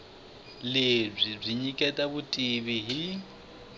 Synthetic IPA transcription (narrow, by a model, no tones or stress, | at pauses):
leb͡ʐib͡ʐiɲikʼɛtʼaβutʼiβiɦi